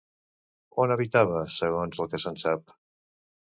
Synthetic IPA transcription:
onəβit̪aβəsəɣonzəlˠkəsənsap̚

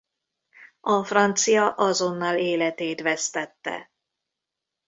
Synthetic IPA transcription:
ɒfrɒnt̪sijɒʔɒzo̞nːɑːleːlɛt̪eːt̪ʋɛst̪ɛt̪ːɛ̰

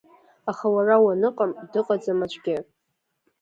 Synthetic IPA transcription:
aχawarawanɨqʼamdɨqʼad͡zamat͡ʃʷʼɡʲɪ

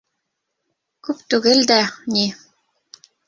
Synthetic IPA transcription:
kʉpt̪ʉɡɘld̪æni

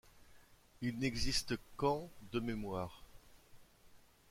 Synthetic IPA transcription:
ilnɛɡzist̪kɑ̃d̪əmemwaːʁ

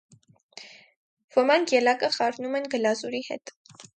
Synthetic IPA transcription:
vəmɑŋkʰjɛlɑkəχɑɾnumɛnɡəlɑzuɾihɛ̰t̪

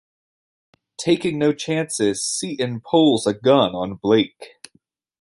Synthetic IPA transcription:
tʰeɪkɪ̃ŋnoʊt͡ʃʰæ̃nsɪz̥siʔɨ̃npʰoʊlˠzəɡʌ̃nə̃nbleɪk

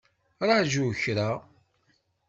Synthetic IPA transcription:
ɾˤɑʕʒuçɾa

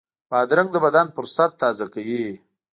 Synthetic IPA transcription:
pɑd̪ɾaŋɡ̚d̪əbad̪anfʊɾsat̪ːɑzakawi

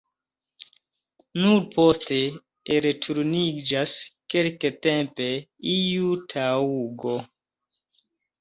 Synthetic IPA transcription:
nuɾpo̞ste̞ | eɾetʰuɾnid͡ʒaskelketempe̞iutʰauɡo

